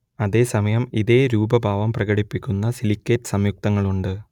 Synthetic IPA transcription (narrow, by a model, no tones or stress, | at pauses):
ɐðe̞ːsɐmɐjɐmiðeːɾuːbɐbʱaːʋɐmprɐɣɐɽipːikʲːunːɐsilikʲːetːɨ̥sɐmjuk̚t̪ɐŋːɐɭuɳɖɨ